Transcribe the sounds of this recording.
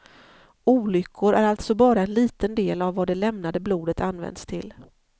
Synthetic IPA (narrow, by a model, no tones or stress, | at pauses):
uːlʏkʰːʊɾæɾalt̪sɔbɑːɾaɛnliːt̪ənd̪eːlavːad̪ɛlɛmnad̪əbluːd̪ət̪anːvɛ̰nd̪st̪ʰɪl